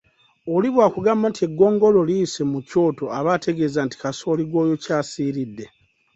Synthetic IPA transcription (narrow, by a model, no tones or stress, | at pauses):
oliβwaːkuɡaːmbantie̞ɡːo̞ːŋɡo̞lo̞lise̞muco̞ːto̞aβatʰe̞ɡe̞zaːnti̥kaso̞ːliɡo̞ːjo̞caːsiːɾidːe̞